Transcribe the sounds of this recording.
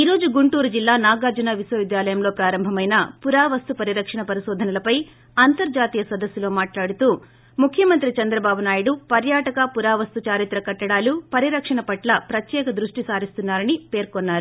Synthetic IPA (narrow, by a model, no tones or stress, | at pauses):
iːɾo̞ːd͡ʒuɡuɳʈuːɾud͡ʒilːaːnaːɡaːd͡ʒunɐʋisʋɐʋid̪jaːlɐjɐmlo̞ːpɾaːɾɐmbʱɐmɐjnɐpuɾaːʋɐst̪upɐɾiɾɐkʂɐɳɐpɐɾiʃɔːd̪ʱɐnɐlɐpɐj | ɐnt̪ɐɾd͡ʒaːt̪iːjɐsɐd̪ɐsːulo̞ːmaːʈlaːɽut̪uː | mukʰjɐmɐnt̪ɾit͡ʃɐnd̪ɾɐbaːbunaːjuɽupɐɾjaːʈɐkɐpuɾaːʋɐst̪ut͡ʃaːɾit̪ɾɐkɐʈːɐɽaːlupɐɾiɾɐkʂɐɳɐpɐʈlɐpɾɐt̪jɛːkɐd̪ɾuʂʈisaːɾist̪unːaːɾɐnipe̞ːɾkɔnːaːɾu